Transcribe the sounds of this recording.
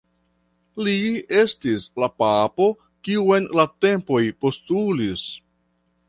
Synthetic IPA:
lie̞stislapapo̞ | kiue̞nlate̞mpo̞jpo̞stulis

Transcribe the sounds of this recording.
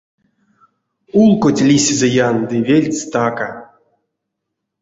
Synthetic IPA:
ulˠkotʲlʲisʲezʲejand̪ɨvʲelʲt͡sʲt̪aka

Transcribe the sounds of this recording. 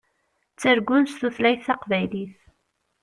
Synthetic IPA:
t͡sːəɾɡʊnst̪uθlæjθɑqvæjliθ

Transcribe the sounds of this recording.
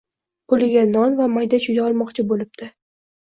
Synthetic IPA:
pʰʊlɪɡʲanɒnvamajd̪aʃʰʊj̪aɒlˠmɒqt͡ʃʰɪbolɪb̚d̪̥ɪ

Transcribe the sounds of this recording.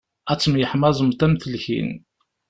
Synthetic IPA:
æt͡sːmjəħmɑzˤəmt̪æmθəlçḭn

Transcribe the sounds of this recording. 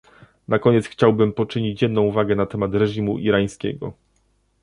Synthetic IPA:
nakɔɲɛt̪sxt͡ɕawbɘmpɔt͡ʂɘɲit͡ɕjɛd̪nɔ̃w̃uvaɡɛnat̪ɛmat̪ɾɛʐimuʔiɾaj̃skʲɛ̰ɡɔ̰

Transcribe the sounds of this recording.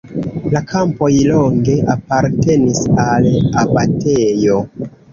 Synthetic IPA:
lakʰampo̞jlo̞ŋɡe̞ʔapaɾte̞nisalabatejo̞

